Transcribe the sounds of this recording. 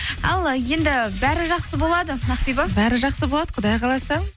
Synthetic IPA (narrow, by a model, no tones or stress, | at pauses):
ɑlˠje̞nd̪ɪbæɾɪʒɑqsəbolˠɑd̪ənɑqpibɑbæɾɪʒɑqsəbolˠɑd̪̥əqʰʊd̪ɑjqʰɑlˠɑsə